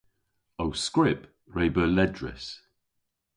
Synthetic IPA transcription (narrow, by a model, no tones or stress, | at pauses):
owskɹɪp | ɹebəːlɛdɹɪ̰s